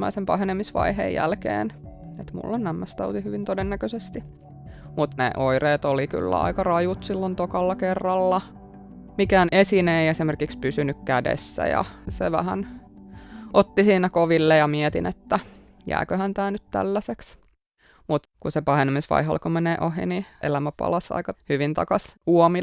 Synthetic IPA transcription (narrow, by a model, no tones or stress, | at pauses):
mæ̰isempɑhenemisʋɑ̰iɦḛjjæ̰lkḛːn | et̪mṵlːonnæmːæst̪ɑut̪ihyʋint̪odenːækøsest̪i | mut̪nḛʔoireːt̪oliky̰lːæ̰ɑ̰ikɑrɑjut̪silːont̪okɑlːɑkerːɑlːɑ | mikæːnesineiesimerkikspysynykkædḛsːæ̰jɑ̰sḛʋæ̰hæ̰n | ʔot̪ːisiːnækoʋilːejɑmiɛt̪ḭnet̪ːæ | jæ̰ːkøhænt̪æːnyt̪t̪æ̰lːæseks | mut̪kusepɑhenimisʋɑ̰iɦɑ̰lkomeneːʔoɦḭniʔḛlæmæpɑ̰lɑsɑ̰ikɑhyʋint̪ɑ̰kɑsuomi